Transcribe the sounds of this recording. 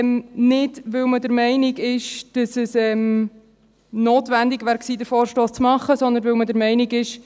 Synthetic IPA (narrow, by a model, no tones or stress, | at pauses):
mnɪdʋɪwmədəɾmɛɪnɪɡɪʃd̥ɑsəsɛm | noːt̪ʋænd̪ɪɡʋæːɾksiːd̪əɾfoːɾʃtoːst͡smɑχːəsɔnd̪ənʋɪwmədəɾmɛɪnɪɡɪʃ